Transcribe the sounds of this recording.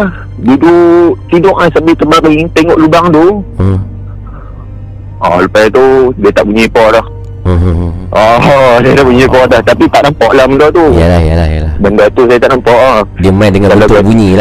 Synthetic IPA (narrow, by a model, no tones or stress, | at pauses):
bidut̪idɔʔlahsambit̪əbaɾit̪eŋɔʔlubaŋt̪u | ɔ̰supajat̪udiət̪aʔbuɲipɔlah | ʔɔdiət̪aʔbuɲipɔdaht̪apit̪aʔnampɔʔlahməndɔt̪ujalajalahjalaməndɔt̪usajat̪aʔnampɔʔadiəmajdəŋãkalaabuɲila